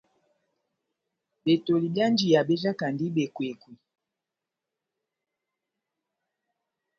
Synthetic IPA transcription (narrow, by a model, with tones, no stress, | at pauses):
be˨to˨li˨bja˦nd͡ʒi˨ja˨be˦za˦ka˨ndi˦ɓe˨kwe˨kwi˨